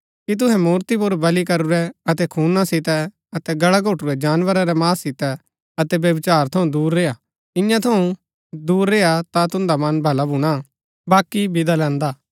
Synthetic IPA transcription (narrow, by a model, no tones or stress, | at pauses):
kit̪̬ʊɦɛmuːɾt̪ip̬ʊɾbɐlikɐɾʊɾɛɐt̪ɛkʰuːnasɪt̪ɛ | ɐt̪ɛɡɐɽaɡʱoːʈʊɾɛd͡ʒaːnʋəɾaɾɛmaːsːɪt̪ɛ | ɐt̪ɛbjɐbɪt͡ʃaːɾt̪ʰɐũd̪uːɾːeːja | ɪ̃jãt̪ʰɐũ | d̪uːɾːeːat̪at̪ʊ̃nd̪amɐnbʱɐlabʱʊɽ̃a | baːkibɪd̪alɛ̃ːnd̪aː